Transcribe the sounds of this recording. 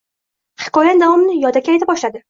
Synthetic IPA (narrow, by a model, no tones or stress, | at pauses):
hɪ̥kɒjand̪avɒmnɪjɒd̪akʲajt̪ʰɪbɒʃlad̪ɪ